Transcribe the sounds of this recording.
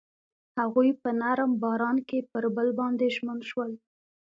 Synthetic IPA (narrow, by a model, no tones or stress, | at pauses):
haɣujpənaɾmbɑɾɑnkepəɾbəlbɑnd̪eʒmənʃwəl